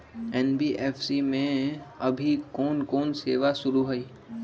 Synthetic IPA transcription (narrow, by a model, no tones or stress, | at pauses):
ɛnbiːʔeːfʰsimẽɐbʱikɔːnkɔːnseːʋasʊɾuɦoiː